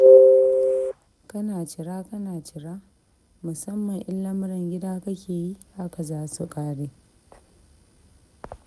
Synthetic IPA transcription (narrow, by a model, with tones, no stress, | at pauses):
kɐ˦naː˨t͡ʃɪ˨ɽaː˦kɐ˦naː˨t͡ʃɪ˨ɽaː˦ | mʊ˨sɐ˦mːɐ˨ŋʔɪ˦lːɐ˦mʊ˦ɽɪ˨ŋɡʲɪ˦daː˦kɐ˦kʲeː˨ji˦ʔa˦ka˨zaː˦su˨kʼaː˦ɽeː˦